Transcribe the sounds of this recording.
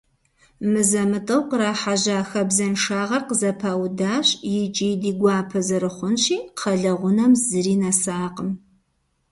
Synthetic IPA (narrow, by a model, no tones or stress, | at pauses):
mɨzɐmɨtʼɐwqəɾaːħaʑaːxɐbzɐnʂaːʁɐrqəzɐpʰaːwdaːɕʼjɪt͡ʃʼiːjdiːɡʷɑːpʰɐzɐɾɨχʷʊnɕiːqʰɐɮɐʁʷʊnɐmzɨɾiːnasaːqʼəm